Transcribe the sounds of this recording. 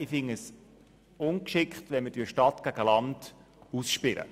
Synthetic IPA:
ɪfɪŋəs | ʊnkʃɪkχtʋɛnmədyʃtɑtɡ̥æɡ̥əlɑnd̥ | usʃpɪlə̰

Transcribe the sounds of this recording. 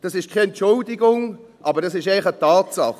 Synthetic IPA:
d̥ɑsɪʃkʰeɛntt͡ʃʊldɪɡʊŋ | ʔɑbəɾdɑs̬ɪʃɛɪχətaːtsɑ̰χ

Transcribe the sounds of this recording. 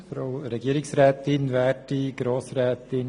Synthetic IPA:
fɾoʊɾɛɡiəɾɪksɾɛːt̪ɪnʋæːtiɡɾoːsɾɛːt̪ɪn

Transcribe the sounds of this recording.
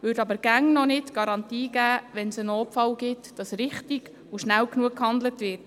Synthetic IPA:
ʋøːɾdɑbəɾɡ̥æŋnɔnɪtɡ̥ɑɾɑntiːɡæːʋɛnsənoːpfɑlɡɪtd̥ɑsrɪχtiɡ | uʃnæwknuəkhɑnd̪lətʋɪːt

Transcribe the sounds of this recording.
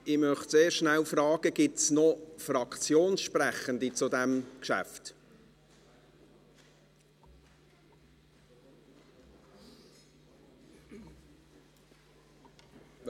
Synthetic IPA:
ɪmœχtseːɾʃnælfrɑːɡ̥əɡ̥ɪtsnɔfrɑkt͡sjoːnsʃprɛχəndit͡sudɛmkʃæ̰ft

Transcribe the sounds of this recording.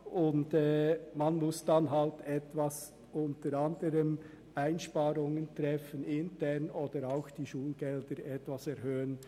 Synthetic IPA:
ʊndɛːmanmʊsd̥anɦaltɛtvas | ʔʊntəɾandəɾəm | aɪnʃpaːɾʊŋəntɾɛfənɪntʰɛʁnoːd̥əɾaʊxd̥iːʃuːlɡ̥ɛld̥əɾɛtvasɛɾhøːən

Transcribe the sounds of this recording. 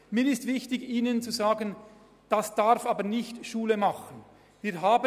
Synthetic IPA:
miːɾɪstv̥ɪçtɪçiːnənt͡suzaːɡən | d̥asd̥aʁfaːbəɾnɪçtʃuːləmɑχən | viːɾɦaːbə

